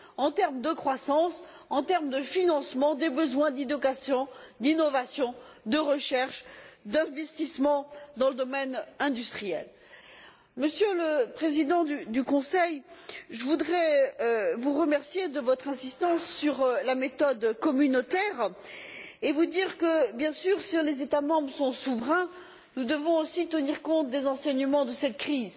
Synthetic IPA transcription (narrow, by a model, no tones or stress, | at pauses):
ɑ̃t̪ɛʁmd̪əkχwasɑ̃s | ɑ̃t̪ɛʁmd̪əfinɑ̃smɑ̃d̪ebəzwɛ̃d̪id̪ɔkasjɔ̃d̪inɔvasjɔ̃ | d̪əʁəʃɛʁʃd̪ɛ̃vɛst̪ismɑ̃d̪ɑ̃ləd̪ɔmɛnɛ̃d̪yst̪χijɛ̰l | məsjøləpχezid̪ɑ̃d̪yd̪ykɔ̃sɛjʒəvud̪ʁɛ | vuʁəmɛʁsjed̪əvɔt̪χɛ̃sist̪ɑ̃sːyʁlamet̪ɔd̪kɔmynot̪ɛːʁ | evud̪iʁkəbjɛ̃syʁsilezet̪amɑ̃bʁəsɔ̃suvʁɛ̃ | nud̪əvɔ̃osit̪əniʁkɔ̃t̪̚d̪ezɑ̃sɛɲəmɑ̃d̪əsɛt̪kχiz